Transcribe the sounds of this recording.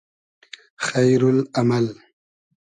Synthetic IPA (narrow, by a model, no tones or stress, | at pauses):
xajɾʊlamal